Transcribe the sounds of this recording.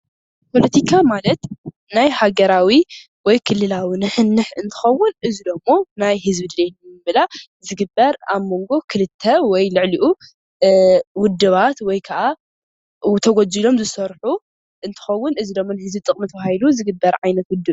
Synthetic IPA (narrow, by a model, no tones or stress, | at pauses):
pʰo̞lɐt̪ʰikʰamalɐt̪ | najhaɡɐɾawi | wɔjkʰɨlːɨlawinɨħɨnːɨħɨnt̪ʰɨ̥xɐwʊnʔɨzid̪ɐmːo̞najhɨzbid̪lenmɨβɨla | zɨɡɨbːɐɾaβmo̞ŋɡo̞kʰɨlɨt̪ʰːɐwɔjlɨʕliʔu | wʊd̪ːɨβat̪wɔjkʰɐʔa | t̪ʰɐɡod͡zilo̞mzɨsɐɾħu | ʔɨnt̪ʰɨ̥xɐwːʊnɨzid̪ɐmːo̞nɨhɨzbit̪ʼɨkʼmɨt̪ʰɐβaailuzɨɡɨbːɐɾʕajnɐt̪wʊd̪ːɨβ